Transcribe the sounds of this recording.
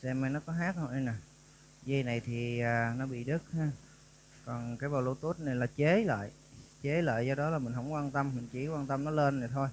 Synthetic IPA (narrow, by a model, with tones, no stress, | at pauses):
sɛ˧ma˧jnɔ˨˦kɔ˨˦ɦaː˦˥k̚hə˧wʔə˧jna˨˩ | zə˧na˨˩jt̪ʰi˨˩aː˨˩nɔ˨˦ɓḭ˧˨ɗɨ˦˥k̚haː˧ | kɔ˨˩nkaː˨˦jɓa˨˩wlu˧˩t̪u˦˥t̚na˧˨˩laː˨˩t͡ɕe˨˦lə̰ː˧˨j | t͡ɕe˨˦lə̰ː˧˨jzɔ˧ɗɔ˨˦laː˨˩mï˨˩ŋ̟ɦə˧˥wŋ͡mkwaː˧nt̪ə˧mːï˨˩ŋ̟t͡ɕi˧˩kwaː˧nt̪ə˧mnɔ˨˦le˧nːa˨˩jt̪ʰo˧j